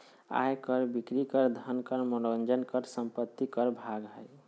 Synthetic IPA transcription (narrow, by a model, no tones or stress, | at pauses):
a̰jkəɾbikɾikəɾd̪ʱənkəɾmənond͡ʒənkəɾsəmpət̪ːikəɾbʱaɡɦəj